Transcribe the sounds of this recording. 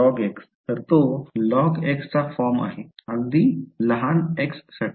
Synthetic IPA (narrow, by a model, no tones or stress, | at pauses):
ɔɡeks | t̪əɾt̪olɔɡekst͡safɔɾma̰ɦeəɡ̚d̪iːləɦaneksːaʈ